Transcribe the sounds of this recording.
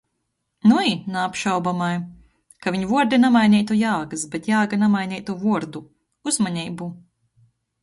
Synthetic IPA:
nuinaːpʃawbamaj | kaviɲvuɔɾd̪inamajnʲɛjt̪ujaːɡɨsbet̪jaːɡanamajnʲɛːjt̪uvuɔɾd̪u | uzmaɲɛjbu

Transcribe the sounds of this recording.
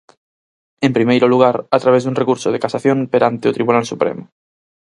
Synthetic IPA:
empɾimejɾoluɣ̞aɾat̪ɾaβ̞ezðuŋrekuɾsoð̞ekasaθjõmpeɾant̪eot̪ɾiβunalsupɾḛmo

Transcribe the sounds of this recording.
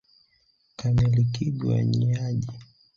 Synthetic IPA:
kanɛlikiɡwa̰ɲiaʄi

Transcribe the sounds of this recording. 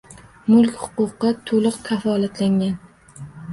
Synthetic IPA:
mʊlˠkʲhʊ̥qʊqɨt̪ʰolˠɨqkʲʰafɒlat̪ʰlaŋʲan

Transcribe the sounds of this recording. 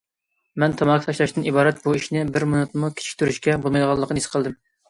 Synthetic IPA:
mɛnt̪ʰɑmɑkʲʰt̪ʰɑʃlˠɑʃt̪ɨnibɑːɾɛt̪̚buiʃnɪbɪɾmonut̪̚mukʲʰt͡ʃʰi̥kʲt̪ʰyɾyʃkʲɛbolˠmɑjd̪əʁɑlˠːəqnisɨ̥qʰəlˠd̪ɨm

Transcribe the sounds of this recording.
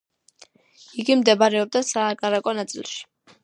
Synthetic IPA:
iɡimd̪ɛbaɾɛɔb̚d̪asaːkʼaɾakʼɔnat̪sʼḭlˠʃi̥

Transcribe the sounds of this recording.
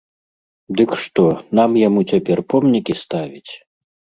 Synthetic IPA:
d̪ɨkʂt̪ɔnamjamut͡sʲapʲɛrpɔmnʲikʲist̪avʲit͡sʲ

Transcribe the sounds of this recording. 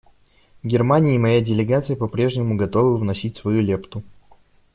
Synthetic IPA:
vɡʲɪrmanʲɪːmɐjadʲɪlʲɪɡat̪sɨjəpɐpɾʲe̞ʐnʲɪmʊɡɐt̪o̞vɨvnɐsʲitʲsvɐjulʲept̪ʊ

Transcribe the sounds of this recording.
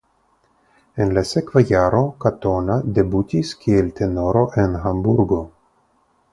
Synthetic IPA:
enlasekvajaɾo̞kat̪onad̪ebut̪iskielt̪enoɾo̞ʔenɦambuɾɡo

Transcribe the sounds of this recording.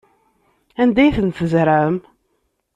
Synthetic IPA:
ænd̪æjθənθəzɾam

